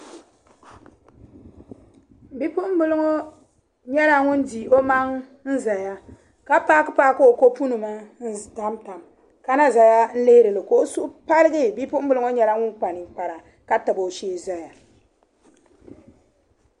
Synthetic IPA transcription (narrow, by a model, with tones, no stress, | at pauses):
bi˦pʊ˦ʔm̩˦bʊ˦lʊ˦ŋo˦ | ɲɛ˦la˦ŋʊ˦n˦di˨ʔo˦ma˦ŋ | n̩˦za˨ja˦ | ka˦paː˦kɨ˦paː˦ko˦o˨ko˦pu˦nu˨ma˦n̩˦ta˦mta˨m | ka˦na˦za˨ja˦n̩˦le˦hɾɨ˨lɨ˨ko˨o˦su˦ʔpa˦lɨ˦ɡɨ˦bi˦pʊ˦m̩˦bɨ˦lʊ˦ŋo˦ɲɛ˦la˦ŋʊ˦nk͡pa˨nɨ˨k͡pa˨ɾa˨ | ka˦ta˨bo˨ʃeː˦za˦ja˨